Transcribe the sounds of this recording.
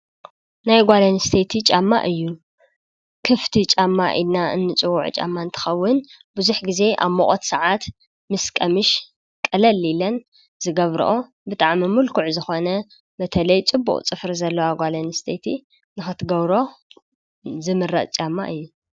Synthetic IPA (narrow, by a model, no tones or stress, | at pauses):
najɡʷalɐnɨst̪ʰet̪ʰit͡ʃʼamːa̰ʔɨjːu | kʰɨft̪ʰit͡ʃʼamːa̰ʔḭnaɨ̰nːɨt͡sʼɨwṵʕt͡ʃʼa̰mːaɨnt̪ʰɨ̥xɐwːʊn | bɨzuħɡize̞ʔa̰βmoχʼot̪sɐʕat̪ | mɨskʼɐmɨʃ | kʼɐlɐlilɐn | zɨɡɐβɾɨ̰ʔo̞ | bɨt̪ʼaʕmimulkʰuʕzɨxo̞nɐ | bɐt̪ʰɐlɐjt͡sʼɨbːṵχʼt͡sʼɨfɾzɐlːɐwaɡʷalɐnɨst̪ʰet̪ʰi | nɨxɨt̪ɡɐβɾo̞ | zɨmɨrːɐt͡sʼt͡ʃʼamːa̰ʔɨjːu